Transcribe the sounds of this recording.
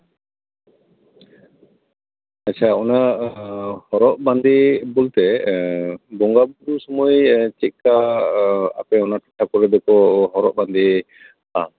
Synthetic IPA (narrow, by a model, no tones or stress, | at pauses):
atːt͡ʃʰaɔna | hɔɾɔʔ̚band̪ibɔlt̪ɛ | bɔŋɡabɾusɔmɔjt͡ʃit̪̚ˀka | a̰pɛɔnaʈɔ̥ʈʰːakɔɾɛd̪ɔkɔɦɔɾɔʔ̚band̪i | a